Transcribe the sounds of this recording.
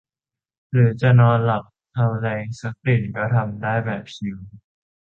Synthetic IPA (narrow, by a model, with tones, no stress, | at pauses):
ɾɯː˩˦t͡ɕa˨˩nɔː˧nla˨˩p̚t̪ʰa˧wlɛː˧ŋsa˦˥k̚di˨˩nkɔː˥˩t̪ʰa˧mdaː˥˩jbɛː˨˩p̚si˧˥w